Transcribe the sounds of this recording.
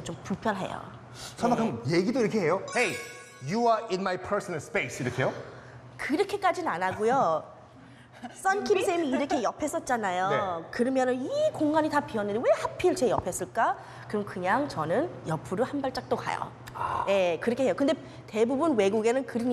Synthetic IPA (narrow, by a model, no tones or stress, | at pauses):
t͡ɕompuɭpʰjʌnɦe̞̰jo̰ | sʰaakʰɯmjeɡidoiɾʌkʰeɦejohej | juaɪ̃nmajpʰəsʌnalspejsiɾʌkʰejo | kɯɾʌkʰe̞k͈ad͡ʑinanaɡojo | s͈ʌnkʰimsʰemiiɾʌkʰe̞jʌpʰe̞s͈ʌt̚t͡ɕ͈anajoekɯɾʌmjʌnɯnikoŋɡaɲitapiʌnːɯɾiwe̞hapʰiɯɭt͡ɕe̞jʌpʰe̞s͈ɯɭk͈a | kɯɾʌmkɯɲaŋt͡ɕʌnɯnjʌpʰuɾuhanbaɭt͡ɕ͈ak̚t͈oka̰jo̰ | je̞kɯɾʌkʰeɦejokɯnde̞ | te̞bubunwe̞ɡuɡe̞nɯnkɯɾɯɲ